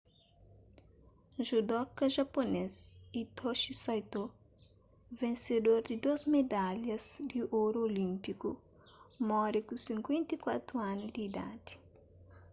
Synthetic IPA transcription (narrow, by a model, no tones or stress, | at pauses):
ʒud̪ɔkɐʒaponesit̪ʰoʃisɔjt̪o | vẽnsed̪oɾd̪ɪd̪ozmed̪aljɐzd̪iʔoɾolĩmpiku | mɔɾikusĩŋkwẽnt̪ikwat̪ɾuanʊd̪iːd̪a̰d̪i̥